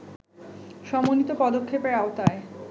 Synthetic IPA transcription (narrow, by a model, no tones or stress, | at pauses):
ʃɔmonit̪opɔd̪okʰːepeɽaot̪ae